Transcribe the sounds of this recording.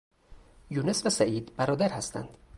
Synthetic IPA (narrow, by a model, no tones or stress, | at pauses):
juːnesvæsæʔiːd̪bæɾɒːd̪æɾhæst̪æ̰nd̪̥